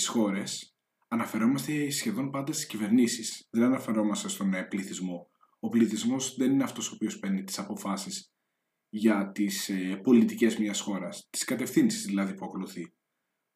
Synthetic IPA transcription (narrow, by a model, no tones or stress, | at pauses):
isxo̞ɾe̞s | ɐnɐfe̞ɾo̞mɐst̪e̞sçe̞ðo̞npɐnd̪ɐst̪i̥scive̞ɾnisisðenɐnɐfe̞ɾo̞mɐst̪e̞st̪o̞npliθizmo̞ | opliθizmo̞zðe̞nineɐft̪o̞soːpio̞speɾnit̪i̥sɐpo̞fɐsis | ʝɐt̪isepo̞lit̪ice̞zmɲɐsxo̞ɾɐst̪i̥skɐt̪e̞fθinsi̥zðilɐðipuɐko̞luθi